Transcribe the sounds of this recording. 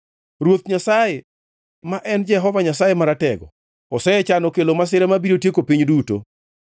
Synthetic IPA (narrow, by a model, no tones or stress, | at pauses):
ɾwot̪ɲasaje | maʔɛnd͡ʒɛɦɔvaɲasajemaɾatɛɡɔ̰ | ɔsɛɛt͡ʃanɔkelomas̬ɪɾɛmabiɾotjekopiɲduto̰